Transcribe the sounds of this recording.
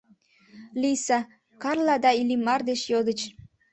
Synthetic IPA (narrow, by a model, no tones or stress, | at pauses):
lisɑ | kɑrlɑd̪ɑilimɑrd̪et͡ɕjod̪ət͡ɕ